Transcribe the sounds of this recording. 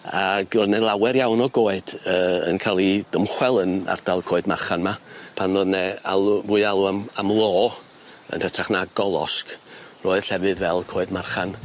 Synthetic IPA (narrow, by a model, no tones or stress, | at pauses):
aɡroðnɛlˠawɛɾjawnɔɡoːɨd̥əə̰nkʰaːlˠid̥əmχwɛlˠəna̰rd̥alˠkʰoːɨdmarχanmapʰanroðnɛa̰lˠuvuːɨalˠuamamlˠoː | ə̰nhətʰraχnaɡɔlˠɔ̰skroːɨð̥ɬɛvɨðvɛlˠkʰoːɨdmarχan